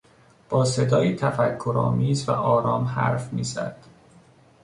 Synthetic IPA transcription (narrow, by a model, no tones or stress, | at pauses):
b̥ɒːse̞d̪ɒːjiːt̪ʰæfækʰːoɾɒ̰ːmiːzvæʔɒːɾɒːmhæ̰ɾfmiːzæ̰d̪̥